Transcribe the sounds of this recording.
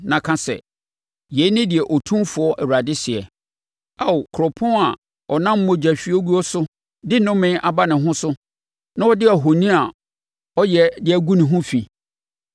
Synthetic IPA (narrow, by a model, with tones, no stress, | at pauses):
nã˨kʰã˦sɛ̰˨ | je˨˦nɪ̃˦dɪ˨ɛ˨ʔɔ˨tʰũ˦mfʊ˨ɔ˦ʔɛ˨wa˨dɪ˦sɪ˨ɛ˨ | a˦˨o˨kʰɾɔ˨pʰɔ̃˦a˨ | ɔ˨nã˦m̩˦mɔ̃˨d͡ʑᶣæ˨ɕᶣi˦ɔ˦ɡu˦ɔ˦sʊ˦ | dɪ˦nʊ̃˦mɪ̃˦ʔa˦˨ba˦nɪ̃˨ɦʊ̃˦sʊ˦ | nã˦ɔ˦dɪ˦a˨ɦo˨nĩ˦a˨ | ɔ˦jɛ˨dɪ˨˦æ˨ɡũ˦nɪ̃˨ɦʊ̃˦fi˨